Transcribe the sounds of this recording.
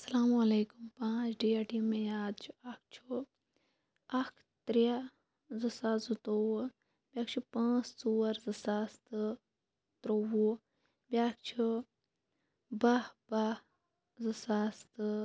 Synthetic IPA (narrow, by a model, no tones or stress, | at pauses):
ɐsɐlaːmɐleːkumpãːt͡ʃʰɖiːɐʈiːmẽjaːd̪t͡ʃʰuɐk̚ʰt͡ʃʰu | ɐkʰ | t̪ɾija | zɨsazut̪ow | bʲɐkʰt͡ʃʰupãːssuːɐɾzɨsast̪ɨ | t̪ɾowu | bʲak̚t͡ʃʰu | bɐhbɐ | zɨsaːst̪